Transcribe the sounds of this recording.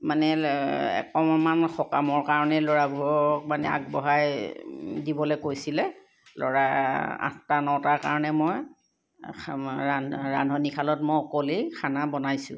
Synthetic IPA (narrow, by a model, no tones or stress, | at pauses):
manɛɛ̰kɔmmanxɔkamɔɹkaɹɔnɛlɔɹabʱuɹɔk̚manɛ̰a̰k̚bɔɦaj | dibɔlokojsilɛ | lɔ̰ɹaa̰ntanɔwtaɹkaɹɔnɛmoj | aɹandʱɔnikʰalɔtmɔjɔkolikʰanabɔnajsʊ̰̃